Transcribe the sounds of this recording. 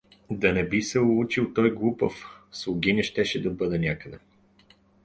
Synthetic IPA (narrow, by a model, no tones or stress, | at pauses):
d̪ɐnɛbisɛʊlˠut͡ʃilˠt̪ɔjɡlˠupə̰fslˠʊɡʲinʲiʃt̪ɛʃɛd̪ɐbɤd̪ɛnʲakəd̪ɛ